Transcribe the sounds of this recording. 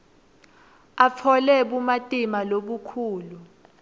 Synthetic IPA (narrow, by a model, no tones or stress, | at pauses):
afʰɔlɛɓumatʼimaloɓukʰuːlu